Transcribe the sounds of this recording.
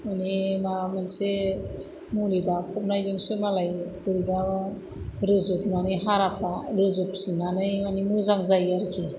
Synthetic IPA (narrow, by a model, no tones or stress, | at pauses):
manimamanse | mulidakʰɔp̚najzɯŋsɯmalajdɯɾba | ɾɯzɯp̚naniɦaɾapʰaɾɯzɯpsinanɯjmanimɯzaŋzajaɾkʰi